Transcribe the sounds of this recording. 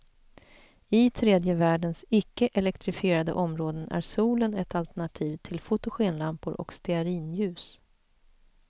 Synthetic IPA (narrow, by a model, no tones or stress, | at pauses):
ɪt̪ʰɾeːd̪jəvæːɖənsɪkːəʔɛlɛkt̪ɾɪfɪeːɾad̪ə̰ʔɔmɾoːd̪ənʔæ̰ɾsuːlənɛt̪alt̪ɛɳat̪ʰiːvt̪ʰɪlfʊt̪ʊɧeːnlampʊɾʔɔ̰kst̪ɛaɾiːnjʉ̟ːs